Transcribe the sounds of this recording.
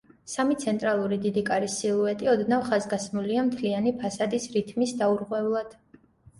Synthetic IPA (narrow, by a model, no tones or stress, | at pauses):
samit̪sʰɛnt̪ʼɾalˠuɾid̪id̪ikʼaɾisilˠuɛt̪ʼiɔd̪navχazɡasmuliamt̪ʰlianipʰasad̪isɾit̪ʰmisd̪auɾʁwɛvlˠad̪̥